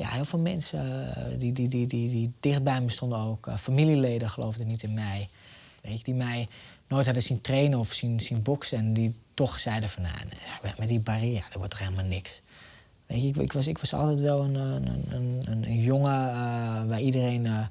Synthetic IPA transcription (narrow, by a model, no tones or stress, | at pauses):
ja̰hɪːfeːlˠmɛnsədididididid̥ɪxt̚bɛjməstondəoːkfamilileːdəxəlo̰ːwvdənitɪnmɛj | ʋḛkdimɛjnoːjthadəsintreːnəɔfsinsinbɔksɛnditɔxsɛjdəfɔna̰ːnɛmɛtdibareːrədəʋɔtɔxhelˠmalˠnɪks | ʋḛɪkɪ̰kʋɔsɪkʋɔsɔ̰lˠtɛtʋɛlˠənə̰nənənənjoŋəʋaidəreːn